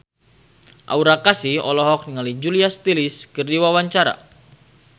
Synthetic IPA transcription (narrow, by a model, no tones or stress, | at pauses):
ʔa̰uɾakasiɔlɔɦɔk̚niŋalid͡ʒuliast̪iliskərdiwawaɲt͡ʃaɾa̰